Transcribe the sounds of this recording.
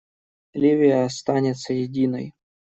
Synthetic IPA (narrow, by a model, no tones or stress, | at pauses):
lʲivʲɪjɐɐst̪anʲɪt̪səjɪdʲinəj